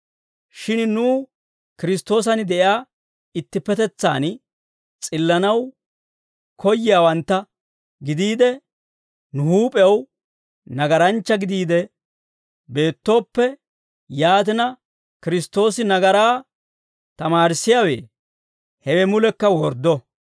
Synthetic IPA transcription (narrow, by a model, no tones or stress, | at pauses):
ʃɪnnuː | kɪɾɪst̪ːo̞ːs̬ɐnɪd̪ɛʔɪaː | ɪt̪ːɪpːɛt̪ɛt͡sːa̰ːn | t͡sʼɪlːɐnɐw | kʰɔjːɪjaːwɐnt̪ːɐ | ɡɪd̪iːd̪ɛ | nʊhuːpʼɛɐw | nɐɡɐɾɐnt͡ʃːɐɡɪd̪iːd̪ɛ | be̞ːt̪ːo̞ːpːɛ | jaːt̪̬ɪnɐ | kɪɾɪst̪o̞ːsɪnɐɡɐɾaː | t̪ɐmaːɾsːɪjawḛː | hɛwɛmʊlɛkːɐwɔɾd̪ɔ